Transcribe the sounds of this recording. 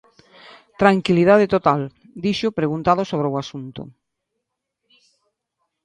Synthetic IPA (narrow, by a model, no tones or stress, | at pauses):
t̪ɾaŋkiliðaðet̪ot̪al | d̪iʃʊpɾeɣunt̪aðʊsoβ̞ɾeoasunt̪ʊ̰